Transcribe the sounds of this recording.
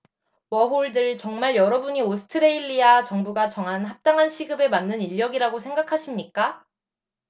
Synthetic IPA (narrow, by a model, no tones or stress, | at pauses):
wʌɦoɭdɯɭt͡ɕʌŋmaɭjʌɾʌbuɲiosʰɯ̥tʰɯɾe̞iʎːiat͡ɕʌŋbuɡat͡ɕʌŋɦanɦap̚t͈aŋɦanɕʰiɡɯbe̞manːɯniʎːʌɡiɾaɡosʰe̞ŋɡakʰaɕʰimɲik͈a